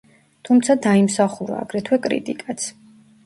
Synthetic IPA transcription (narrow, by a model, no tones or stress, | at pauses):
t̪ʰumt̪sʰad̪aimsaχuɾa̰ːɡɾɛt̪ʰwɛkʼɾḭt̪ʼikʼat̪sʰ